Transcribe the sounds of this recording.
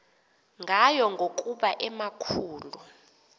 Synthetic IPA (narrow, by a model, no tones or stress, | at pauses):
ŋɡʱajɔŋɡʱokʼuɓaʔɛmakʰuːlu